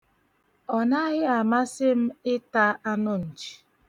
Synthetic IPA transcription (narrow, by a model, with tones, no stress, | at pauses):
ɔ˨na˦ɣɪ˦a˨ma˦sɪ˦m̩˦ɪ˦ta˦a˦nʊ˦n̩˨t͡ʃi̥˨